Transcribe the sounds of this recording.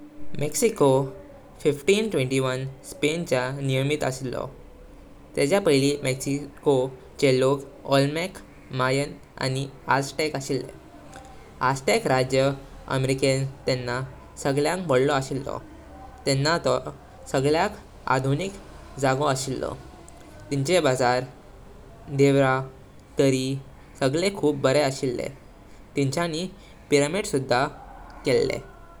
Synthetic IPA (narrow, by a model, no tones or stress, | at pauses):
meksiko | fifʈiːnʈʋẽɳʈiʋənspent͡ɕanijəmiːt̪əɕilːɔ̰ | t̪et͡ɕjapəɦiliːmeksiko | t͡ɕelok | ɔlmek | majən | a̰niasʈekaɕilːḛ | asʈekɾad͡ʑjəə̰meɾikent̪ɛnːa | səɡɭjãŋkbəɽlɔaɕilːɔ̰ | t̪enːat̪ɔ | səɡɭjak | a̰d̪ʱunik | d͡zaɡoaɕilːɔ̰ | t̪iɲt͡ɕebad͡zaɾ | d̪eʋɾa | t̪əɾi | səɡɭekʰuːp̚bəɾeəɕilːḛ | t̪iɲt͡ɕani | piɾəmeʈsud̪ʱːakelːḛ